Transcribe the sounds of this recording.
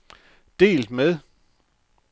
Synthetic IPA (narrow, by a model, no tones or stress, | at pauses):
d̥e̝̰ːld̥með̞ˠ